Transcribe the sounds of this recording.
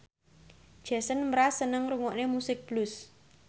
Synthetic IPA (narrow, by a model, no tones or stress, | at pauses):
d̥ʒ̥a̤sənməɾasənəŋruŋɔʔnemusɪk̚b̥lʊs